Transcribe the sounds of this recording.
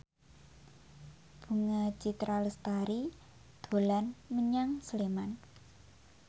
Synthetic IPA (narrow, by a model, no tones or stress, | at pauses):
b̥ṳŋḁd͡ʒ̥i̤t̪ɾaləst̪aɾi | d̪̥o̤lanməɲaŋsəleman